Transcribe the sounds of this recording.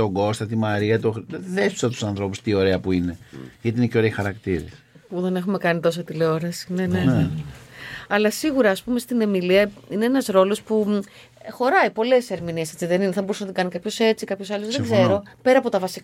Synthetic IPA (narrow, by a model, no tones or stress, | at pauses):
oɡo̞st̪ɐt̪imɐɾiɐt̪oðest̪u̥sɐt̪u̥sɐnθɾo̞pust̪io̞ɾe̞ɐpuineʝɐt̪iineceo̞ɾeixɐɾɐkt̪iɾḛspuðe̞ne̞xume̞kɐnit̪o̞s̬ot̪ileo̞ɾɐsi̥ne̞nene | ɐlɐsiɣuɾɐːspume̞st̪ine̞miliɐine̞enɐzɾo̞lo̞spu | xo̞ɾɐipo̞le̞se̞ɾminiese̞t͡siðe̞nineθɐboɾusenɐt̪iŋɡɐnikɐpço̞se̞t͡sikɐpço̞sɐlozðeɡze̞ɾo̞pe̞ɾɐːpo̞t̪ɐvɐsik